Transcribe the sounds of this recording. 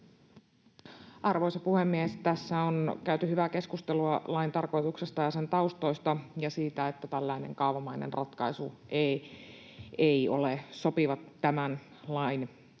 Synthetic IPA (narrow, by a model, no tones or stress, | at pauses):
ʔɑrʋo̞isɑpuhe̞mːiest̪æsːæonkæyt̪yhyʋæke̞skust̪eluɑlɑint̪ɑrko̞jt̪uksest̪ɑjɑse̞nt̪ɑust̪o̞ijst̪ɑjɑsiːt̪æet̪ːæt̪ælːæine̞̰ŋkɑuʋɑmɑjnḛnrʔɑt̪kɑisuʔe | eijo̰leso̞piʋɑt̪ːæmæn | lɑjn